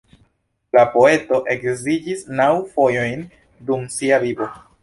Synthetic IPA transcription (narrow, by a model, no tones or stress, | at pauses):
lapo̞e̞to̞ʔe̞kzid͡ʒisnawfo̞jo̞jn | dumsiavibo̞